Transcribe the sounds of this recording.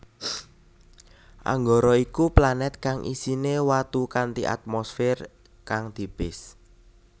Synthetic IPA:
ʔa̰ŋɡɔɾɔikuplanɛt̪̚kaŋʔḭsinewat̪ukant̪iʔa̰t̪̚mɔsfɪr | kaŋd̪̥i̤b̥ɪs

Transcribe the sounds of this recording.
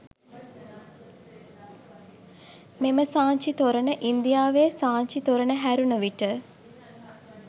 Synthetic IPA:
meməsaːɲt͡ʃit̪oɾənəʔind̪ijaːʋeːsaːɲt͡ʃit̪oɾənəɦæɾunəʋiʈə

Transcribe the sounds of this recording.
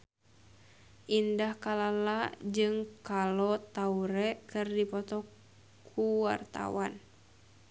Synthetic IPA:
ʔindahkalalad͡ʒɨŋkalɔt̪auɾɛkɨrdipɔt̪ɔ | kʰuwa̰rt̪a̰wan

